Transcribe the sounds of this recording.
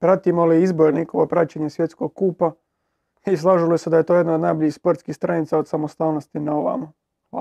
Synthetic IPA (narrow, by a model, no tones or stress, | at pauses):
pɾaːt̪imoliizboɾnikoʋopɾat͡ɕeɲesʋje̞t̪sko̞ɡ̚kuːpa | islˠaːʒilosed̪aje̞t̪o̞jed̪naod̪najboʎispoɾt̪skixst̪ɾanit̪saod̪samost̪aːlnost̪inaoʋa̰ma | a